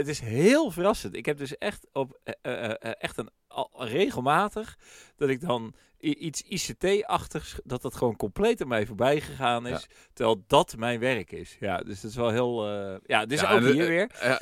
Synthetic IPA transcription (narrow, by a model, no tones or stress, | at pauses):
ətɪsɦɪːlˠvərɑsəntɪkɦɛp̚dɵsɛχtɔp | ʔɛχtən | rejχəlˠmaːtəχd̥ɑtɪɡ̚dɑn | ʔitsisetejɑχtəχsdɑt̚dɑtχəʋownkɔmplejtɔpmɛjvoːɹbɛjχəχaːnɪss | təʋɛlˠdɑtmɛjnʋɛrkɪ̰sjadøsdɔtɪsʋɛlˠɦɪːlˠjaətɪsokiəʋɪəɹ